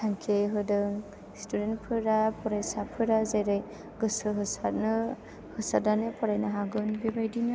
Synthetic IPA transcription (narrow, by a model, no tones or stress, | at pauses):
tʰaŋkʰeɦɯdɯŋ | studentpʰɯɾapɔɾajsapʰɯɾazajɾaj | ɡɯsɯɦɯsatnɯ | hɯsadanɯpʰɔɾajnaɦaɡɯnbibajdinɯ